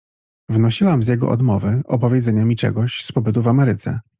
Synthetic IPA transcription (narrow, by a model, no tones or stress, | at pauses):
vnɔɕiwamzʲjɛɡɔ̰ʔɔ̰d̪mɔvɘɔpɔvʲjɛd̪zɛɲamʲit͡ʂɛ̰ɡɔɕspɔbɘt̪̬uvamɛɾɘt̪sɛ̰